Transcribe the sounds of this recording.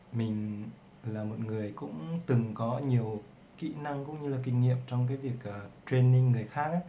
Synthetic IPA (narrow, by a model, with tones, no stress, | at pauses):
mï˨˩ŋ̟ | laː˨˩mo˨˩t̚ŋɨ˨˩əjkʊ̰˧˥ŋ͡mt̪ɨ˨˩ŋkɔ˨˦ɲi˨˩əw | kḭ˧˥na˧ŋkʊ̰˧˥ŋ͡mɲɨ˧laː˨˩kï˨˩ŋ̟ŋḭ˧˨əmt͡ɕɔ˧wŋ͡mk̬aː˨˦jvi˨˩ək̚ʔəː˨˩tɾe˧nːi˧ŋːɨ˨˩əjxaː˦˥k̚ʔaː˦